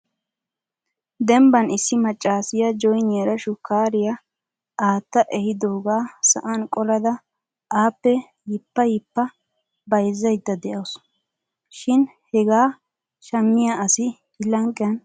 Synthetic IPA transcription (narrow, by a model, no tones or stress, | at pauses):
d̪ɛmbɐnɪsːɪmɐt͡ʃʼːaːsɪjɐd͡ʒɔjneːɾɐʃʊkaːɾɪjɐ | aːt̪ːɐʔɛhɪd̪oːɡaːsɐʔankʼɔlɐd̪ɐ | aːpːɛ | jɪpːɐjɪpːɐ | bɐjzːɐjd̪ːɐd̪ɛʔɐws | ʃɪnhɛɡaː | ʃɐmːɪjaɐsɪ | ɪlɐŋkʼːjɐn